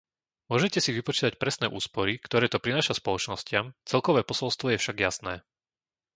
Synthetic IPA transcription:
mʊɔʒɛcɛsiʋipɔt͡ʃiːt̪ac̚pɾɛsnɛːʔuːspɔɾikt̪ɔɾɛːt̪ɔpɾinaːʃaspɔlɔt͡ʃnɔscɪamt͡sɛlkɔʋɛːpɔsɔlst̪ʋɔjɛfʃaɡjasnɛː

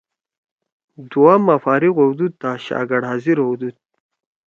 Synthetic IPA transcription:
d̪uamːafaːɾiɣowd̪ud̪̚ːaɕa̰ɡaɽaziɾowd̪ud̪̚

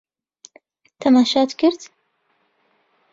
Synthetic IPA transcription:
t̪ʰɐmaːʃaːt̪kɪɾt̪

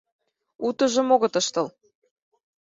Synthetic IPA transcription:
ut̪ə̆ʒə̆moɣɤ̆t̪ɤʃt̪ɤ̆l

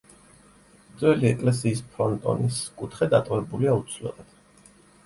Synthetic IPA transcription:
d̪zʼwɛliɛkʼlɛs̬iːspʰɾɔnt̪ʼɔ̰niskʼut̪ʰχɛd̪at̪ʼɔvɛbuliaut̪sʰlɛ̰lad̪̥

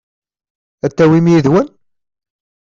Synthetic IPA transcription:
æt̪ːæwimjiðwən

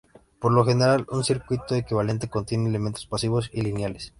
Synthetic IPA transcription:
po̞ɾlo̞xe̞ne̞ɾalunsiɾkwit̪o̞ekiβale̞nt̪e̞ko̞nt̪je̞neːleme̞nt̪o̞spasiβo̞silinjales

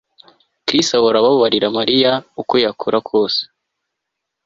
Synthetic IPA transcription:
kɾistawoɾaβaβaβaɾiɾamaɾijaukojakʰuɾakʰo̞ːse̥

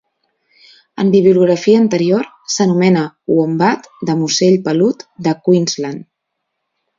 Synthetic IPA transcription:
ə̰mbiβiuluɣɾəfiəːnt̪əɾioɾ | sənumɛnəuombat̪d̪əmuseʎpəlut̪d̪əkwinzlan

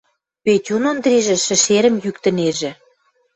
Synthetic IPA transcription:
petʲunond̪ɾiʒĕʃɘ̆ʃeɾə̆mjykt̪ə̆neʒĕ

